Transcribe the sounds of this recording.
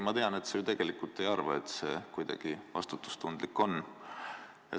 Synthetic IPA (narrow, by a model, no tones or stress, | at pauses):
mɑt̪e̞ɑne̞t̪set̪e̞ɡ̥e̞likult̪ːˑe̞jɑrvɑe̞t̪se̞ːkujd̪̥ɑ̰ɡ̥ivɑ̰st̪ut̪ːˑu̥st̪und̪̥likːˑo̞nː | jɑ̰